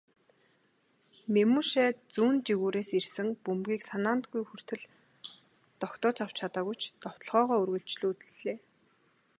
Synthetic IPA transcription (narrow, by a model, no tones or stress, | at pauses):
memuʃæːt͡suːnt͡ɕiɣuːɾeːsirsɘ̆ŋpɵmɡʲiːksanaːnt̪ɡujxɵr̥t̪ɘ̆ɮ | t̪ɔkt̪ɔːt͡ɕaw̥t͡ɕʰat̪aːɣujt͡ɕʰt̪ɔw̥t̪ə̆ɮʁœːʁɔːɵrɣɵ̆ɬt͡ɕɮuːt̪ɘɮeː